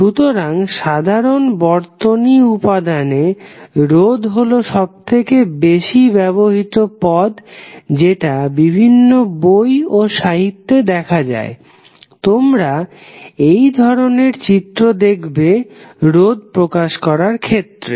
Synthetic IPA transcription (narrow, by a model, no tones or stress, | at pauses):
ʃut̪oɾaŋʃad̪ʱaɾonbɔɾt̪oniupad̪aneɾod̪ɦoloʃɔb̚t̪ʰekebeʃibɛβoɦit̪opɔd̪d͡ʑeʈabibʱinːobojoʃaɦit̪ːed̪ɛkʰad͡ʑa̰e | t̪omɾa | ejd̪ʱɔɾoneɾt͡ɕit̪ːɾod̪ekʰbeɾod̪̚pɾokaʃkɔɾaɾkʰet̪ːɾḛ